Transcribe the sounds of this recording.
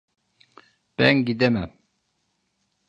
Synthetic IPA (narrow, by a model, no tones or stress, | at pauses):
b̥ɛ̰ŋɡid̪ɛmɛ